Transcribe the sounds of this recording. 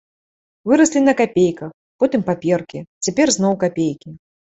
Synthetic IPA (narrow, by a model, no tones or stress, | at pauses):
vɨɾɐsʲlʲinɐkapʲejkɐx | pɔt̪ɨmpapʲɛrkʲit͡sʲapʲɛrznɔwkapʲejkʲi